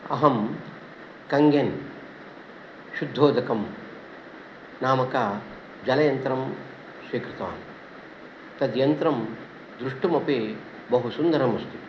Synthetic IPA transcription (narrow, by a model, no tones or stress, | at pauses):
ɐ̰ɦɐm | kɐŋɡɐn | ʃud̪ʱːoːd̪ɐkɐm | naːmɐkaː | d͡ʒɐlɐjɐnt̪ɾɐm | sʋiːkɾɪt̪ɐʋa̰ːn | t̪ɐd̪jɐnt̪ɾɐm | d̪ɾuʂʈumɐpeː | bɐɦusund̪ɐɾɐmɐst̪i